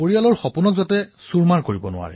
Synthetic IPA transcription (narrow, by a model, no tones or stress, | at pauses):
oɹijalɔɹxɔpunɔkzɔtɛsuɹmaɹkoɹibɔnʊ̰wa̰ɹɛ̰